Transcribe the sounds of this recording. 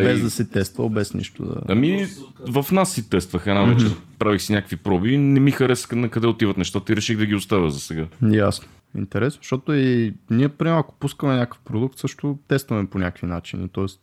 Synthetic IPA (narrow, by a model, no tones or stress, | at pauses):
bɛzd̪ɐsɛt̪ɛst̪və̰lbɛsnḭʃt̪o̰d̪ɐ̰ɐmivəfnasːit̪ɛst̪vəxɛnavɛt͡ʃɛpɾavixsinʲakəkvipɾɔbinɛmixɐɾɛsknɐkɐd̪ɛot̪ivɐt̪nɛʃt̪at̪əiɾɛʃiɣd̪ɐɡʲiʊst̪avʲəzɐsɛɡajasno̥ | ḭnt̪ɛɾɛsnoʃt̪ɔt̪oiniɛpɾimaɐko̥puskəmɛnʲakə̥fpɾod̪uk̚t̪sɤʃt̪ʊt̪ɛst̪vɐmɛponʲakvinat͡ʃinḭt̪ɔɛst̪